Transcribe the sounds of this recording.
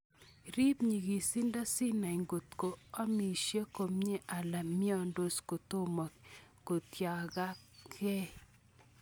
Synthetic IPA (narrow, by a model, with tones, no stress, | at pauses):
ɾi˦pɲi˨ɡi˨si˦nda˦sɪ˦na˨i˨ŋɡo˨t̪ko˨a˦mi˨ʃje˦ko˨mɲe˦ʔa˨la˨mɪ˦ɔ˦˨ndo˨sko˨t̪o˦mɔ˨ko˨tja˨ɡa˦kʰɛ˦